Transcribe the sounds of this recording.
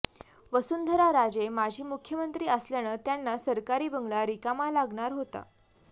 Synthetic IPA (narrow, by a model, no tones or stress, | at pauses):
ʋəsuːnd̪ʱəɾaɾad͡zemad͡ʑʱiːmukʰjəmənt̪ɾiːəsljaɽ̃əːt̪janːasəɾkaɾiːbəŋɡɭlaɾikamalaɡɳaɾɦot̪a̰